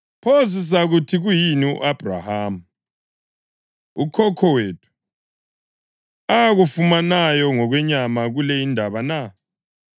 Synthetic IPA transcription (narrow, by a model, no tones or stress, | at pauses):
pʰozis̬aɣutʰiɣujiniʔab̥ʱra̰ham̩ | ṵkʰɔkʰɔweːtʰu̥ | aɣufumanajɔŋɔɣwɛɲamaɣulɛindʱaβana